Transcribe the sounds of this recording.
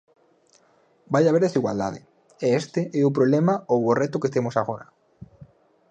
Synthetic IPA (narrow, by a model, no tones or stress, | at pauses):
bajaβeɾðesiɣwa̰ld̪a̰ð̞ɪ̰ | eest̪eʔɛʊp̬ɾoβlemaoworet̪ʊket̪emosaɣ̞oɾa